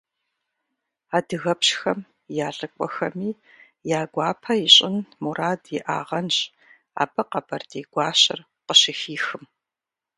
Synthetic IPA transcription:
aːdɨɣɐpɕxɐm | jaːɮʼɨkʷʼɔ̰xɐmiː | jaːɡʷɑːpʰɐiɕʼɪnmuɾaːdiʔa̰ːʁɐnɕ | a̰ːbɐqɐbɐrdeːɡ̥ʷaːɕʼɪ̰r | qəɕɪxiːxɨm

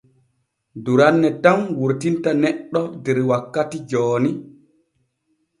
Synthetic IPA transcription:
duɾanːɛtamwuɾtintanɛɗːɔdɛɾwakːatid͡ʒɔːni

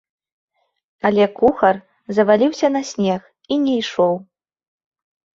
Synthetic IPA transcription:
ɐlʲɛkuxɐr | zɐvalʲiwsʲɐnɐsʲnʲɛx | inʲɛjʂɔw

